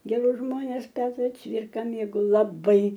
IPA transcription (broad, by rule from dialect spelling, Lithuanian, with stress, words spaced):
ɡʲɛˈrʊs ˈʒmoːnʲɛs ˈpʲæːtrɐ ˈt͡sʲʋʲɪrkɐ mʲeːɡɐʊ lˠɐˈbɐɪ